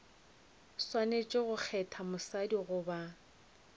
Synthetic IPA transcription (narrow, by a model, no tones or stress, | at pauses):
swanet͡ʃʼeɣʊk͡xʰɛtʰamʊsadiɣʊba